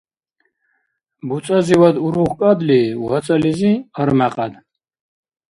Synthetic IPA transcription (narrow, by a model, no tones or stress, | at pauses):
but͡sʼaziwad̪uɾuχkʼad̪liwat͡sʼaliziəɾmaqʼad̪